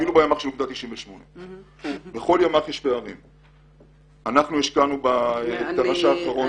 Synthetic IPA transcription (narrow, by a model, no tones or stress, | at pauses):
ilubajamaχʃeukd̪at̪ːiʃimveʃmo̞ne | beχo̞ljomaχjeʃpeaʁḭm | anaχnuiʃkanubat̪aʁaʃaːχaʁo̞n